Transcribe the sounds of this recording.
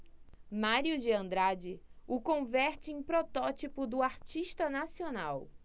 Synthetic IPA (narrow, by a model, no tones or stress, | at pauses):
maɾiʊd͡ʒɪɐ̃nd̪ɾad͡ʒɪʊkõvɛɾt͡ʃɪẽj̃pɾot̪ɔt͡ʃipʊd̪ʊaɾt͡ʃiʃt̪ɐnasionaw